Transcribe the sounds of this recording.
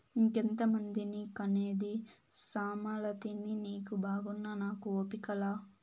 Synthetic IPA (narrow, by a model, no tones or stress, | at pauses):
iŋkent̪ɐmɐnd̪inikɐneːd̪isaːmaːlɐt̪ininiːkubaːɡunːɐnaːkuoːpikɐlaː